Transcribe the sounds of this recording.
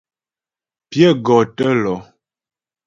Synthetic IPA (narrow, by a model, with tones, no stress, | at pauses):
pjɛ˦˨ɡɔ˨tə˦lɔ˨˦